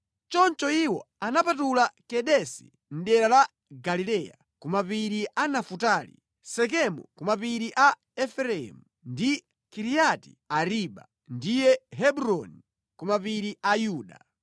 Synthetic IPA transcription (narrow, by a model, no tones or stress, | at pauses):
t͡ʃɔnt͡ʃɔiwɔ̰ | anapat̬ulakɛɗɛsi̥̰ | n̩ɗɛɾala | ɡalilɛja̰ | kumapiɾiʔanafutaːlḭ | sɛk̬ɛmɔ̰kumapiɾiʔa | ɛfɛɾɛɛ̰mu | ndi | kiɾijati̥̰ | aɾiɓa̰ | ndijɛɦɛbuɾɔni | kumapiɾiʔajuːɗa̰